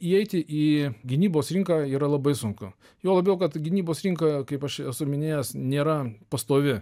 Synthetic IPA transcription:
iːɛɪt̪ʲɪʔiːɡʲɪnʲiːboːsɾʲɪŋkɑːiːɾɐlˠɐbɐɪsʊŋkʊ | joːlˠɐbʲɛʊkɐt̪ɡʲɪnʲiːboːsɾʲɪŋkɐkɐɪpɐʃɛsʊmʲɪnʲeːjɛsnʲeːɾɐpɐst̪oːʋʲɪ

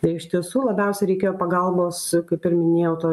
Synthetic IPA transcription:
t̪ɐɪɪʃt̪ʲiɛsuːlˠɐbʲɛˑʊsʲɛɪɾʲɛɪkʲeːjoːpɐɡɐlˠboːskɐɪpɪɾmʲɪnʲeːjɛʊt̪oː

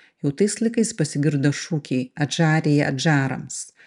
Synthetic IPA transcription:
jɛʊt̪ɐɪslˠɐɪkɐɪspɐsʲɪɡʲɪɾd̪oʃuːkʲɛɪɐʒɑːɾʲeːjɛɐ̰d͡ʒɑːɾɐ̰ms

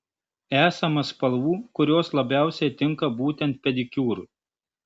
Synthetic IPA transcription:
æːsɐmɐspɐlˠʋuːkʊɾʲoːslˠɐbʲæˑʊsʲɛɪt̪ʲɪŋkɐbuːt̪ʲɛnt̪̚pʲɛd̪ʲɪkʲuːɾʊ

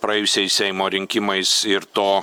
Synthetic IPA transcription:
pɾɐɛjʊsʲɛɪsʲsʲɛɪmoːɾʲɪŋʲkʲɪmɐɪsɪɾt̪oː

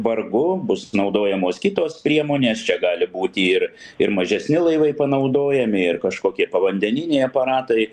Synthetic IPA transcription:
ʋɐrɡʊbʊsnɐʊd̪oːjɛmoːskʲɪt̪oːspʲɾʲiɛmoːnʲeːst͡ʃʲɛɡɑːlʲɪbuːt̪ʲɪɪrɪɾmɐʒʲɛsʲnʲɪlˠɐɪʋɐɪpɐnɐʊd̪oːjɛmʲɪɪrkɐʃkoːkʲiɛpɐʋɐnʲd̪ʲɛnʲɪnʲɛɪɐpɐɾɑːt̪ɐɪ

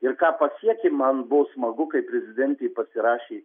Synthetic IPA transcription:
ɪɾkɑːpɐsʲiɛkʲemɐnbʊʋosmɐɡʊkɐɪpʲɾʲɛzʲɪd̪ʲɛnʲt̪ʲɛjpɐsʲɪɾɑːʃʲeː

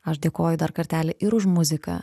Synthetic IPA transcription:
ɐʃd̪ʲeːkoːjʊd̪ɐɾkɐt̪ʲæːlʲɛʔɪɾʊʃmʊzʲɪkɐ̰

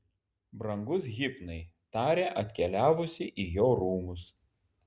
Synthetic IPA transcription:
bɾɐŋɡʊs̬ɣʲɪpnɐɪt̪ɑːɾʲeːʔɐt̪ʲkʲɛlʲæːʋʊsʲɪʔiːjoːɾuːmʊs

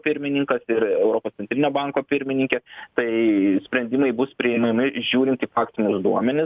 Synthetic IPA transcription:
pʲɪɾʲmʲɪnʲɪŋkɐsɪɾɛʊɾoːpoːssʲɛnt̪ʲɾʲɪnʲoːbɐŋkoːpʲɪɾʲmʲɪnʲɪŋʲkʲɛt̪ɐɪsʲpʲɾʲɛnʲd̪ʲɪmɐɪbʊspʲɾʲɪɪmʲɐmʲɪʒʲuːɾʲɪnt̪iːfɑːkt̪ʲɪnʲʊsd̪uɔmʲɛnʲɪ

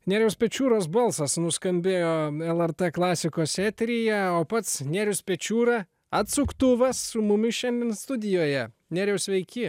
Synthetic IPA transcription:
nʲæːɾʲɛʊspʲɛt͡ʃʲuːɾoːs̬bɐlˠsɐsnʊskɐmʲbʲeːjoːɛlˠɛɾt̪ɛklˠɑːsʲɪkoːsɛːt̪ʲɾʲɪjɛoːpɐt̪snʲæɾʲʊspʲɛt͡ʃʲuːɾɐ | ɐt̪sʊkt̪ʊʋɐsːʊmʊmʲɪʃʲɛnd̪ʲeːnst̪ʊd̪ʲɪjoːjɛ | nʲæːɾʲɛʊsʲʋʲɛɪkʲɪ

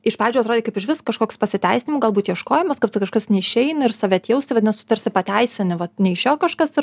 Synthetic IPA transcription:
ɪʃpɑːʋʲeːd͡ʒʲuʊɐt̪ɾoːdʲeːkɐɪpɪʃʋʲɪskɐʃkoːkspɐsʲɪt̪ʲæɪsʲɪnʲɪmuːɡɐlˠbuːt̪jiɛʃkoːjɛmɐskɐpt̪ɐkɐʃkɐsnʲɛɪʃʲɛɪnɐɪɾsɑʋʲɛt̪ʲjɛʊsʲɪʋɐt̪d̪ʲnsʊt̪ɐɾʲsʲɪpɐt̪ʲæɪsʲɪnʲɪʋɐtnʲɛɪɪʃʲoːkɐʃkɐsɪ

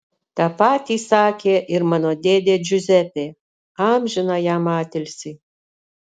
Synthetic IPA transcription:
t̪ɑpɑt̪ʲisɑːkʲeʔirmɑnod̪ʲed̪ʲed͡ʒyzʲɛtʲe | ɑmʲʒɘ̆nɑjɑmɑːt̪ʲɪlʲsʲi

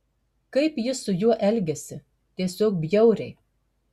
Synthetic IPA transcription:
kɐɪpjɪsʊjuɔʔɛlʲɡʲɛsʲɪ | t̪ʲiɛsʲoːkbʲjɛʊɾʲɛɪ

